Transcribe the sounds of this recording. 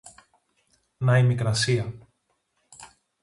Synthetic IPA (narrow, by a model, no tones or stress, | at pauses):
nɐimikɾɐsiɐ